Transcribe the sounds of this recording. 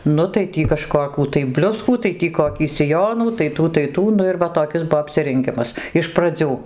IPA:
ˈnʊ tɐɪ ˈtʲiː kɐˈʃkoːkʲuː tɐɪ ˈbʲlʲʊskuː tɐɪ ˈtʲiː koːˈkʲiː sʲɪˈjoːnuː tɐɪ ˈtuː tɐɪ ˈtuː ˈnʊ ɪr ˈʋɐ toːˈkʲɪs ˈbuɔ ɐpʲsʲɪrʲɛŋʲˈɡʲɪmɐs ɪʃ prɐˈd͡zʲuː

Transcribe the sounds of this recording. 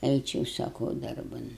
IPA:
ˈɛɪt͡ʃʲɛʊ sɐˈkɐʊ ˈdɐrbɐn

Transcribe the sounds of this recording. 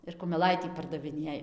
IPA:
ɪr kʊmʲɛˈlˠɐɪtʲiː pɐrdɐʋʲɪˈnʲeːj

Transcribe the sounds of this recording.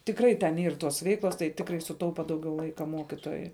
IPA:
tʲɪkˈrɐɪ tʲɛn ˈiːr ˈtoːs ˈʋʲɛɪklˠoːs tɐɪ ˈtʲɪkrɐɪ sʊˈtɐʊpɐ ˈdɐʊɡʲɛʊ ˈlˠɐɪkɐ ˈmoːkʲɪtoːjʊɪ

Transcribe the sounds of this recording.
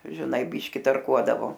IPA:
ʒʲɪˈnɐɪ ˈbʲiːʃʲkʲɪ tɐrˈkuɔdɐʋoː

